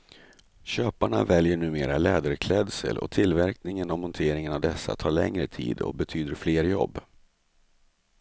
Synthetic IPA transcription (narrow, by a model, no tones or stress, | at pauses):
ɕøːpaɳa̰vɛljəɳʉ̟ːmeːɾalɛːd̪əɾkʰlɛd̪sə̰lɔ̰t̪ʰɪlvæɾknɪŋənɔmɔnt̪ʰeːɾɪŋənavd̪ɛsːa̰t̪ʰɑːɭɛŋɾət̪ʰḭːd̪ɔ̰bɛt̪ʰyːd̪əɾfleːɾjɔ̰bː